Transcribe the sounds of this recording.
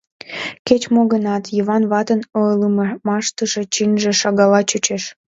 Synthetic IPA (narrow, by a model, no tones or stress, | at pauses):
ket͡ɕmoɣənɑt̪jəβɑnβɑt̪ənoələmmɑʃt̪əʃe̽t͡ɕinʲʒĕʃɑɣɑlɑt͡ɕut͡ɕeʃ